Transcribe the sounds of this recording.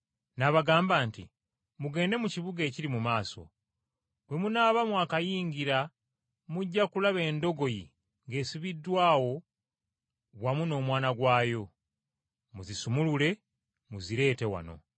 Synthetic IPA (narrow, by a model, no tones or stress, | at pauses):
naβaɡaːmbaːntḭ | muɡe̞ːnde̞muciβuɡe̞ːciɾimumaːso̞̰ | βwe̞munaːβamwakajiːɲɡiɾa | muɟːakulaβe̞ːndo̞ɡo̞jḭ | ŋɡe̞ːsiβidːwaːwo̞ | βwamuno̞ːmwaːnaɡwaːjo̞ | muzisumulule̞ | muziɾe̞ːte̞wa̰no̞̰